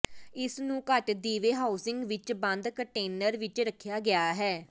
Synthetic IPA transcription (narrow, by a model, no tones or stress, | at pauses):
ɪsnũːkəʈd̪iːʋeːɦaːʊsɪ̃ŋɡʋɪt͡ʃbə̃nd̪kəɳʈeːnəɾʋɪt͡ʃɾəkʰːjaːɡɪjaːɦɛː